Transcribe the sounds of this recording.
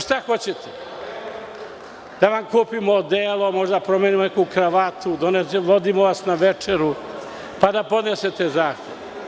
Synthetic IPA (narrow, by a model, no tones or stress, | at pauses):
ʃt̪axo̞t͡ɕet̪e | d̪̥aʋamkuːpimod̪eːlˠo̞moʒd̪aapɾo̞meːnimonekukɾaʋat̪ud̪oneʋod̪imoʋasnaʋet͡ʂeɾu | pad̪apo̞d̪neset̪ezaːxt̪eʋ